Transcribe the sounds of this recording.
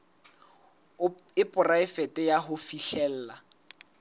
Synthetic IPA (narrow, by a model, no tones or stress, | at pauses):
ɪpʼʊraɪfɛtʼɛjaɦofiʃɛl̩ːla